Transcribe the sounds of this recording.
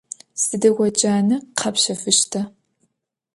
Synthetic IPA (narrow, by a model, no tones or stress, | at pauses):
sɨdɐɡʷɔt͡ʃʼaːnɨqʰɐpɕɐfɨʃtʰɐ